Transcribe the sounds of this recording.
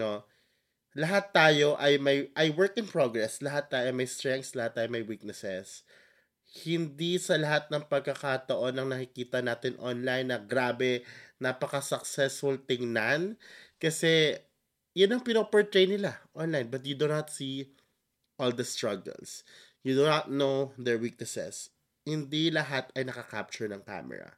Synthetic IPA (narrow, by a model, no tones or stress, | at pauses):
no̞ | lɐɦat̪ːaːjo̞ʔɐjmɐjʔɐjwɛɹkɪnpɹoɡɹɛslɐɦat̪ːaːjomɐjst̪ɹɛŋk̪slɐhat̪ːaːjomɐjwik̚nɛsɛs | hɪnd̪isɐlɐɦat̪̚nɐŋpɐɡ̚kɐkat̪ɐʔo̞nːɐŋnɐkɪkiːt̪ɐnaːt̪ɪnʔo̰nlajnːɐɡɾaːbɛnɐpɐkɐsɐk̚sɛsfɔlt̪ɪŋnankɐsɛ | jʊnɐŋpɪnopɛɹt̪ɹejnɪlaʔonlajnbɐt̪̬̚jud̪unɐt̪si | ʔold̪ɐst̪ɹɐɡɐ̰ls | jud̪unat̪̚nowðɛɹwik̚nɛsɛ̰s | hɪnd̪ilɐɦat̪ɐjnɐkɐka̰p̚t͡ʃʊɹnɐŋka̰mɛ̰ɹɐ̰